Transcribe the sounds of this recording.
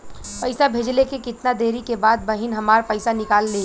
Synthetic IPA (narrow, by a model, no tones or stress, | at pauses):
pɐɪsabʱeːd͡ʒlekekɪt̪nad̪eːɾikebaːd̪̚bɐɦɪnɦɐmaːɾpɐɪsanɪkaːlːe